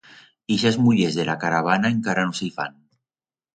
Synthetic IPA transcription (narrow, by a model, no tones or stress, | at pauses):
iʃazmuʎezðelakaɾaβ̞anaeŋkaɾanosejfa̰n